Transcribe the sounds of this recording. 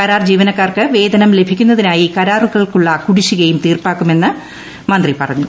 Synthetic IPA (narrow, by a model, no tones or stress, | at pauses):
kɐɾaːrd͡ʑiːʋɐnɐkːaːrkɨʋe̞ːd̪ɐnɐmle̞bʱikʲːunːɐðinaːjikɐɾaːruɣɐɭkuɭːɐkuɽiɕuɣɐjumt̪iːrpaːkːume̞nːɨ | mɐnd̪ripɐrɐɲːu